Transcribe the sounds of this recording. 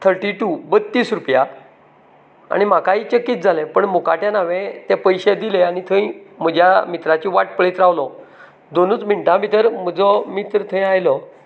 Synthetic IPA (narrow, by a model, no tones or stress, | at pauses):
t̪ʰəɾʈiʈubət̪ːiːsɾupja | a̰ɽ̃im̤akaɦit͡ɕəkːiːt̪̚d͡zʱalẽpəɳmoka̰ʈjanaʋẽt̪ɛpəjɕed̪ileañit̪ʰə̃ĩm̤əd͡ʑʱjamit̪ɾat͡ɕiʋaʈ̚pəɭet̪ɾaʋlɔ | d̪onuːt͡sm̤iɳʈãmit̪əɾm̤əd͡zɔmit̪ɾət̪ʰə̃j̃ajlɔ